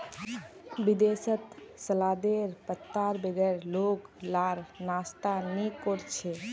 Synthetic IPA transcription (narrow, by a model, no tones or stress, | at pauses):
bid̪esət̪səlad̪eɾpət̪ːaɾbeɡəɾloklaɾnast̪anekoɾt͡ʃʰe